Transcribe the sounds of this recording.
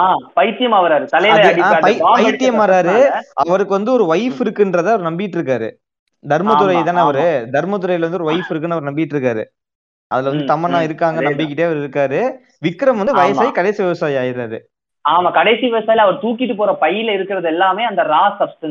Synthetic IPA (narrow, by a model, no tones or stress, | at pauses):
aːpɐɪt̪ːɪjɐmaːʋɐɾaːɾɯt̪ɐlɐɐaːpɐjːpɐɪt̪ːɪjɐmaːɾaːɾɯɐʋɐɾɯkːɯʋɐnd̪ɯɔɾɯʋɐjfɪɾɯkːɯndɾɐðɯɐʋɐɾɯnɐmbɪɪʈːɾɯk̬ːaːɾɯ̰ | d̪ʱɐɾmɐɯɾɐjɐt̪aːnɐʋɐɾɯd̪ʱɐɾmɐt̪̬ːɯɾɐjlɐʋɐnd̪ɯɔɾɯʋɐɪfɪɾɯk̬ːɯnːɯɐʋɐɾnɐmbɪɪʈːɾɯk̬ːaːɾɯ̰ | ʔɐðɪlʋɐnd̪ɯt̪ɐmːɐnãːɪɾɯkːaːŋɡɐnɐmbɪkːɪʈːeːɐʋɐɾɪɾɯkːaːɾɯ | ʋɪkːɯɾɐmʋɐnd̪ɯʋɐjɐaːjikɐɽeːsiʋɪʋɐsaːjiaːjɪɾaːɾɯ̰ | aːmaːkɐɽɐɪsiʋɪʋɐsaːjɪlɐʋɐɾɯt̪uːkːɪʈːɯpoːɾɐpɐjːɪlɪɾɯkːɪɾɐðɛlːaːmeːɐnd̪ɐɾaːsɐbsʈɐn